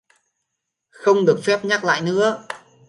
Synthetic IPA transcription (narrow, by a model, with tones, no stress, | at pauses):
xə˧wŋ͡mɗɨ˨˩ək̚fɛ˦˥p̚ɲa˦˥k̚la̰ː˧˨jnɨ̰˧˥ə